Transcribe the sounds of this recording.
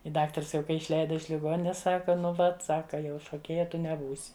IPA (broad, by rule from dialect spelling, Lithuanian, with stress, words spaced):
ɪ ˈdɑːktɐrs jɛʊ ˈkɐɪ ɪʃʲˈlʲɛɪdɐ ɪʃ lʲɪˈɡoːnʲɪnʲeːs ˈsɑːkɐ ˈnʊ ˈʋɐt ˈsɑːkɐ jɛʊ ʃoːˈkʲeːjɛ ˈtʊ nʲɛˈbuːsʲɪ